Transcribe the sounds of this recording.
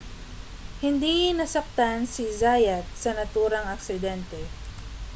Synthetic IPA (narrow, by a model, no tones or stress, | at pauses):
hɪnd̪inɐsɐk̚t̪ansizajɐt̪̚sɐnɐt̪uːɾɐŋɐksɪd̪ɛnt̪ɛ